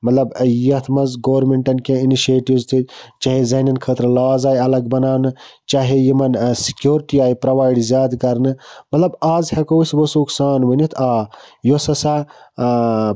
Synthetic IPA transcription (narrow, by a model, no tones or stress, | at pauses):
mɐt̪lɐbjjɐt̪ʰmɐnzɡoːɾmeɳʈɐnkẽiniʃeːʈiʋzt̪ʰɨt͡ʃaːɦezɐːnɐnkʰəːt̪ɾlaːzaːjɐlɐɡbɐnaːnɨt͡ʃaːɦejimɐnsi̥kjoːɾʈiaːjpɾɐʋaːjɖzjaːd̪kɐɾnɨmɐt̪lɐbaːzhekosbosuksaːnʋənit̪ʰaːjosɐsa